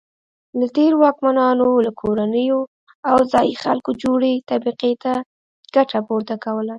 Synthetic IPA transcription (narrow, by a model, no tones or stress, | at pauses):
lat̪eɾwɑkmanɑnolakʰoɾanəjo | awzɑjixalkod͡ʒoɽet̪abiqet̪a | ɡ̥aʈapoɾt̪akawəla